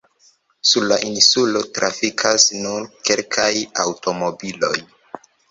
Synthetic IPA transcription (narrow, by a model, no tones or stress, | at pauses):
suɾlaʔinsulo̞tɾafikʰasnunke̞lkʰajawtʰo̞mo̞bilo̞̰j